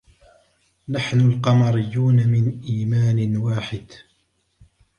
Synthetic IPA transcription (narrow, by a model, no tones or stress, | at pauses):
naħnʊlqɑmɑɾɪjːuːnamɪnʔiːmaːnɪwaːħɪd̪